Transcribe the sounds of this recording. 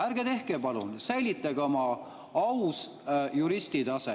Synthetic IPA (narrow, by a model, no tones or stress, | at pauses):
æɾɡ̥et̪e̞hkepɑlunsæjlit̪ːˑɑɡ̥omɑ | ɑws | juɾist̪id̪ɑse